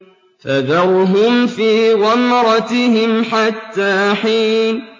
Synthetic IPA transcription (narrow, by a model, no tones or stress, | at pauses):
faðɑɾɦʊmfiːɣɑmɾˤɑt̪ɪhɪmħat̪ːaːħiːn